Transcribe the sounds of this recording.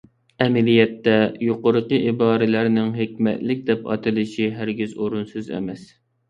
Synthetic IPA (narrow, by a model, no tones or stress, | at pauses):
ɛmɪlijɛt̪ːɛjoqʊɾəqəʔibɑːɾɪlæɾnɪŋɦekʲmɛ̰t̪lɪk̚ʲd̪ɛpɑ̰t̪ʰɨlˠɪʃiɦæɾɡʲizoɾunsyzɛ̰mɛs